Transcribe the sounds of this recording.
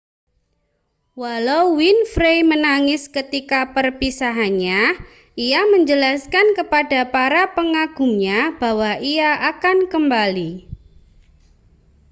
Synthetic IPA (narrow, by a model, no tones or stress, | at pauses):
walawwinfɾejmənaŋɪskət̪ikapərpisaɦanɲa | ʔijaməɲd͡ʒəlaskankəpadapaɾapəŋaɡ̥umɲab̥a̤waʔiaʔakankəmbali